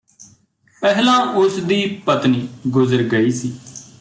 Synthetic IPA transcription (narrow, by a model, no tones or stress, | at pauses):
pɛɦlãːʔʊsd̪iːpət̪niːɡʊzəɾɡəiːsiː